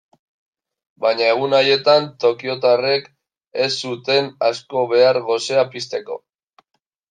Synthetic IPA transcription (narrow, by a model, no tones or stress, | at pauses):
bajɲae̞ɣ̞unaje̞t̪ant̪o̞kio̞t̪are̞k | e̞sːut̪e̞nasko̞βe̞aɾɣo̞se̞apist̪e̞ko̞̰